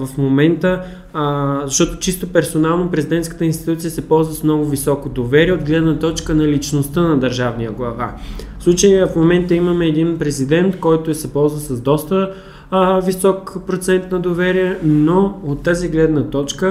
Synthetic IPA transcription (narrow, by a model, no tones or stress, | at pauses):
vəfmomɛnt̪ə | zɐʃt̪ɔt̪o̥t͡ʃist̪opɛɾsonalˠnopɾɛzid̪ɛnt̪kət̪əinst̪i̥t̪ut̪sijəsɛpɔlˠzvəsmnɔɡʊvisɔkod̪ovɛɾiɛod̪ɡlɛd̪nət̪ɔt͡ʃkənɐlit͡ʃnost̪ənɐd̪əɾʒavnijəɡlˠɐva̰fslˠut͡ʃəjfmomɛnt̪əiməmɛːd̪inpɾɛzid̪ɛnt̪kɔjt̪oɛsɛpɔlˠzvəsɐzd̪ɔst̪ə | visɔkpɾot̪sɛnt̪nɐd̪ovɛɾiɛnoot̪ːaziɡlɛd̪nət̪ɔt͡ʃkə